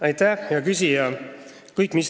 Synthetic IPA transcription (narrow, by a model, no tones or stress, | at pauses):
ɑjt̪æhjɑkys̬ijɑ | kɯjkːˑmis